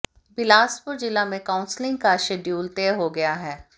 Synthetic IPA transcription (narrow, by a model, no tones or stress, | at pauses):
bɪlaːspʊɾd͡ʒɪlamẽkãːʊ̃nslɪ̃ŋɡ̚kaʃeːɖjuːlt̪eːɦoɡɐjaɦɛː